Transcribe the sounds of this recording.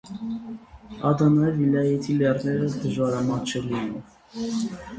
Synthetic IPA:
ɑd̪ɑnɑɛvilɑjɛt̪ʰilɛrnɛɾəd̪əʒvɑɾɑmɑt͡ʃʰɛlinu

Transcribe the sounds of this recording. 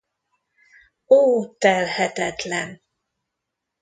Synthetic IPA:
oːt̪ɛlhɛt̪ɛt̪lɛn

